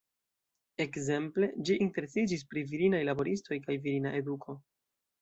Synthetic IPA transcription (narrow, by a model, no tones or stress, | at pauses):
e̞kze̞mple̞d͡ʒiʔinte̞ɾe̞sid͡ʒis̬pɾiviɾinajlabo̞ɾisto̞jkajviɾinaʔe̞dukʰo̞